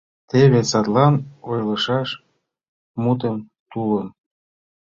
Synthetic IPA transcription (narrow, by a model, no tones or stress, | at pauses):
t̪eβesɑt̪lɑnojlɤ̆ʃɑʃ | mut̪əm | t̪ulə̆n